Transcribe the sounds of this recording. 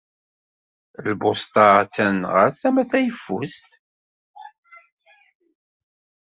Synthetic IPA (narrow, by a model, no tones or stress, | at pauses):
lbʊst̪ɑt͡sːænʁəɾθæmæθæjəfːust̪